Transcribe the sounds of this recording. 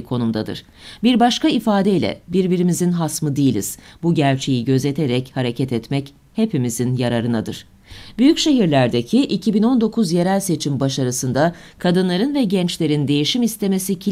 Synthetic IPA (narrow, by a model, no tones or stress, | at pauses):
kʰo̞numd̪ad̪ɯ̰ɾ̥ | biɾbaʃkaifaːd̪eilʲɛ̰biɾbiɾimizinɦasmɯd̪ijilʲḭz̥buɟæɾt͡ʃʰe̞jiɟø̞ze̞t̪ʰeɾɛchaɾecʰɛt̪ʰɛt̪mɛc | he̞pimizinjaɾaɾɯnad̪ɯ̰ɾ̥ | b̥yjycʃe̞ɦiɾlʲæɾd̪e̞cʰiʔicʰibino̞nd̪o̞kʰuzje̞ɾælʲse̞t͡ʃʰimbaʃaɾɯsɯnd̪a | kʰad̪ɯnlˠaɾɯnvɛɟɛnt͡ʃlʲe̞ɾind̪e̞jiʃimist̪ʰe̞me̞sicʰ